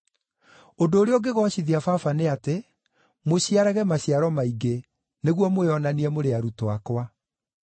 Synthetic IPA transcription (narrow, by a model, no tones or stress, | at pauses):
ondoːɾeɔɡeɣɔaɕiðiafafaneate | moɕiaɾaɣɛmaɕiaɾɔmaiɡe | neɣwɔmoeɔnaniɛmoɾeaɾutoakwa